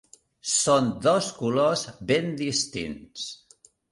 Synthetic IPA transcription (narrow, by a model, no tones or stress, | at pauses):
sond̪oskulozβend̪ist̪ḭns